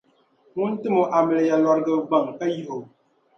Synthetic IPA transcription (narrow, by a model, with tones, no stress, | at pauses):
ŋu˦n̩˦tɨ˦mo˨ʔa˨mɛ˨lja˨lɔ˨ɾɡə˨ɡ͡ba˨ŋka˦ji˦˨ho˨